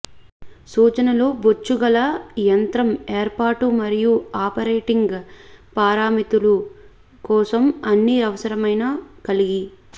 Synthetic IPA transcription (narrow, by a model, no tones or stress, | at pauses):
suːt͡ʃɐnɐlo̞ːbot͡ʃːuɡɐlɐjɐnt̪ɾɐmeːɾpaːɾʈumɐɾijuaːpɐɾeːʈiŋɡpaːɾaːmit̪ulu | kɔːsɐmɐnːiɐʋɐsɐɾɐmɐjnɐkɐliɡi